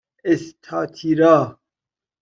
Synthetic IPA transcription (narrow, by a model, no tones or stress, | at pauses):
est̪ʰaːt̪ʰiɾa